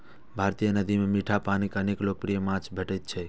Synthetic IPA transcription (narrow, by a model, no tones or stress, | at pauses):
bʱaɾt̪ijənəd̪ʱimemiʈʰapanikəneklok̚pɾijəmãt͡ʃbʱəʈɛt̪̚t͡ʃʰɛ